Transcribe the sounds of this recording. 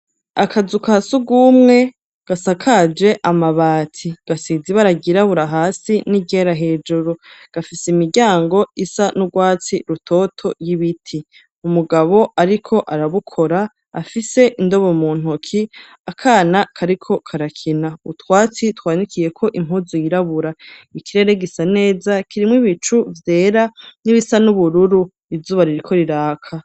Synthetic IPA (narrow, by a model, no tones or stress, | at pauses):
akʰazukasuɡumŋe̞ | ɡ̥asakʰad͡ʒe̞ʔamaβaːtʰiɡ̥asiziβaɾaɡiɾaβuɾaɦaːsiniɟeɾaɦe̞ːd͡ʒuɾoɡ̥afiseimiɾɟaːŋɡo̞isanuɡwaːt͡siɾutʰo̞ːtʰo̞jiβitʰi | umuɡaβo̞aɾikʰo̞ʔaɾaβukʰo̞ɾaː | fise̞ʔindo̞βomuːn̥okʰi | akʰaːnakʰaɾikʰo̞kʰaɾakʰinaṵtwaːt͡sitwaːnikʰije̞kʰo̞ʔim̥ɦuzujiɾaβuɾaikiɾe̞ɾe̞ɡisane̞ːzakiɾimwiβit͡ʃuvje̞ːɾaniβisanuβuɾuɾu | izuːβaɾiɾikʰo̞ɾiɾaːkʰa